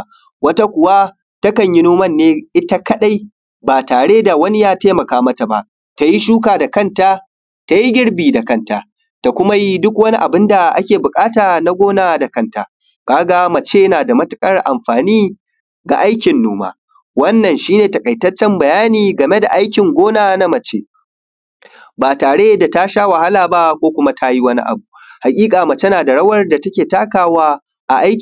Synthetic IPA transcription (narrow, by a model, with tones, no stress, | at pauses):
wɐ˦ta˦kʷʊ˨wa˦ | tɐ˦kɐ˨ɲji˦noː˦mɐ˦˨nːeː˦ʔɪ˦ta˦kɐ˦ɗa˦j | baː˨taː˨ɽeː˦da˨wɐ˦ni˦jaː˦teː˦mɐ˨kaː˦mɐ˦ta˨ba̰˨ʔ | ta˨ji˦ʃuː˦k̬aː˨da˨kɐ˦˨nta˦ | ta˨ji˦ɡʲɪ˦ɽbiː˨da˨kɐ˦nta˨ | ta˨kʷʊ˦ma˦ji˦dʊ˦kwɐ˦ni˦ʔa˨bɪ˦nda˨ʔa̰˦kʲeː˨bʊ˨kʼaː˦taː˨na˦ɡʷoː˦naː˨da˨kɐ˦nta˨ | kaː˦ɡa˦mɐ˨t͡ʃeː˦naː˨da˨mɐ˦tʊ˦kʼɐ˦rʔa̰˨mɸaː˨niː˦ | ɡa̰˨ʔa˦jkʲɪ˨nːoː˦ma̰ː˦ | wɐ˦nːɐ˨nʃiː˦neː˨tɐ˨kʼɐ˨jtɐ˦t͡ʃːɛ˦mbɐ˨jaː˦niː˨ɡɐ˨me˦da̰˨ʔa˦jkʲɪ˨ŋɡʷoː˦naː˨na˦mɐ˨t͡ʃeː˦ | baː˨taː˨ɽeː˦da˨ta˦ʃaː˦wɐ˨ha˦laː˨ba˦kʷoː˦kʷʊ˦ma˦tʰa˦ji˦wɐ˦nḭ˦ʔa̰˨bu˨ | ha˨kʲʼiː˦kʼaː˨ma˨t͡ʃe˦naː˨da˨ɽɐ˦wɐ˦rda˨tɐ˦kʲeː˨taː˦kaː˨waː˦ | ʔa˨ʔa˦jkʲ